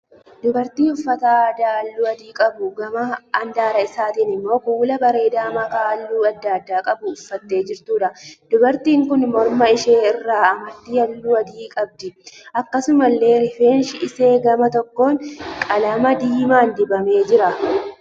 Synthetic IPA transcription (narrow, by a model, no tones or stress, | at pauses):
d̪ʊbɐɾt̪iːʊfːɐt̪aːd̪aːɐlːuːɐd̪iːkʼɐbʊɡɐmɐɐnd̪aːɾɐɪsaːt̪iːnɪmːo̞ːkuːlɐbɐɾe̞ːd̪aːmɐkaːɐlːuːɐd̪ːad̪ːaːkʼɐbʊːfːɐt̪ːe̞ːd͡ʒɪɾt̪uːᶑɐd̪̥ʊbɐɾt̪iːŋkʊnmɔɾmɐɪʃe̞ːɪrːaːɐmɐɾt̪iːɐlːuːɐd̪iːkʼɐb̚d̪ɪʔɐkːɐsʊmɐlːe̞ːɾɪfeːnʃɪʔɪse̞ːɡɐmɐt̪ɔkːo̞ːŋkʼɐlɐmɐd̪iːmaːnd̪ɪbɐme̞ːd͡ʒɪɾɐ